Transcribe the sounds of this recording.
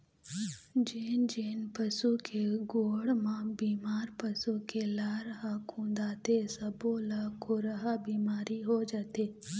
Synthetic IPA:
d͡ʒeːnd͡ʒeːnpəsukʰeɡoːɽmãbiːmaːɾpəsukelaːɾəɦakʰũːnd̪aːt̪esɐbolakʰoɾəɦabiːmaːɾiɦod͡ʒaːt̪eː

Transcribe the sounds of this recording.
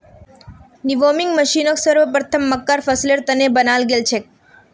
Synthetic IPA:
niʋomiŋɡməʃinoksəɾʋəp̬ɾət̪ʰəmːəkːaɾfəsleɾt̪ənebənalɡelt͡ʃʰek̚

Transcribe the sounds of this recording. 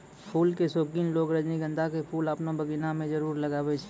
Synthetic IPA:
pʰuːlkesoːkiːnloːɡɾəd͡ʒniɡə̃nd̪ʱakepʰuːləpnabəɡinamẽd͡ʒəɾuːɾləɡaːbet͡ʃʰ

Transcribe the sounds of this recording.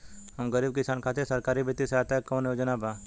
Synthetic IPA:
hɐmɡəɾiːb̚kɪsaːnkʰaːt̪esɐɾkaːɾibɪt̪ːiseaːt̪ekõːnjoːd͡ʒənabaː

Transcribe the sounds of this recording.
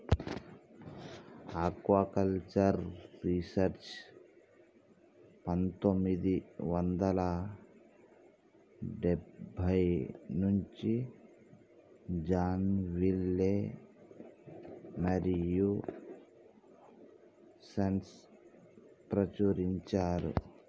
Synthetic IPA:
akʋakɐlt͡ʃɐɾːisɐɾt͡ʃ | pɐnt̪omid̪iʋɐnd̪ɐla | ɖebʱɐjnuɲt͡ʃi | d͡ʒaːnʋilːe | mɐɾiju | sɐns | pɾɐt͡ʃuɾiɲt͡ʃaːɾṵ

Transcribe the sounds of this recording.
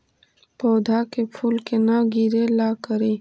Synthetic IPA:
pɔːd̪ʱaːkepʰuːlkenaɡiɾelaːkəɾeː

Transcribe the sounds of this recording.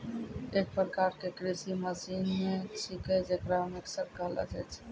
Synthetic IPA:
eːk̚pɾəkaɾkekɾisiməsinmet͡ʃʰikɛd͡ʒekɾameksəɾkalə̰d͡ʒɛt͡ʃʰ

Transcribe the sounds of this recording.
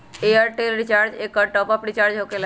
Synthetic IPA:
eəɾʈelɾit͡ʃaɾd͡ʒekːəɾʈɔpapɽit͡ʃaːɾd͡ʒɦokela

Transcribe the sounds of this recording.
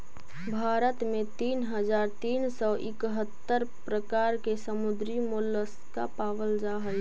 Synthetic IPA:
bʱaɾət̪met̪iːnɦəd͡ʒaːɾt̪iːnsɔʔɪkɦət̪ːəɾ | pɾəkaɾkesəmud̪ɾimolːəska̰paːʋəld͡ʒaɦəl

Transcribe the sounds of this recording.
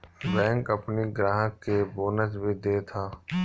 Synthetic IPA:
bɛ̃ːŋkɐpniɡɾaːɦə̃keboːnət͡ʃbʱid̪eːt̪ʰaː

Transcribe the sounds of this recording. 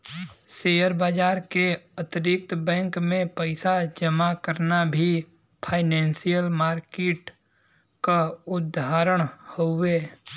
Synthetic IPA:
seːjəɾbaːd͡ʒaːɾkeət̪ɾɪk̚t̪bɛ̃ːŋkmẽpəɪsad͡ʒəmakəɾnabʱi | pʰaːɪnɛ̃ːnsijəlmaːɾkeːʈ | kaʊd̪ʱaːɾəɽ̃hoeː

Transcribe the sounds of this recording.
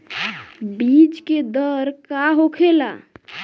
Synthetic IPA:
bit͡ʃked̪əɾkaɦokʰela̰

